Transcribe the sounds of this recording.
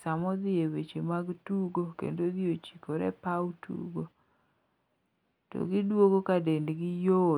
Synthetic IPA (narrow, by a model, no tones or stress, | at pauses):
samɔd̪ɪewet͡ʃemaɡtuɡokḛndod̪iot͡ʃi̥koɾɛpawtṵɡo | tɔ̰ɡɪdwoɡokadendɡɪjo